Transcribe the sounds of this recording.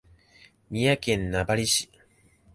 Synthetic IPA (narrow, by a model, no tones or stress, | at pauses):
mʲijakẽ̞nnabaɾʲiɕi̥